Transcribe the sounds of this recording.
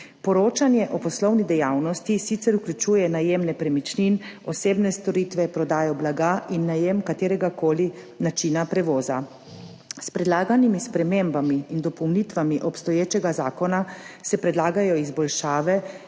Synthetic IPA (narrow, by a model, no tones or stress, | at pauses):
pɔɾoːt͡ʃanjɛʔɔpɔslɔwnid̪ɛjawnɔst̪isit̪sɛɾukljut͡ʃuːjɛnajeːmnɛpɾɛmit͡ʃninɔseːbnɛst̪ɔɾit̪ʋɛpɾɔd̪aːjɔblaɡaːʔinːajemkat̪eːɾɛɡakoːli | nat͡ʃiːnapɾɛʋɔːza | spɾɛd̪laːɡanimispɾɛmembamiːnd̪ɔpɔwnit̪ʋamiʔɔpst̪ɔjeːt͡ʃɛɡazaːkɔnasɛpɾɛd̪laːɡajɔizbɔlʃaːʋɛ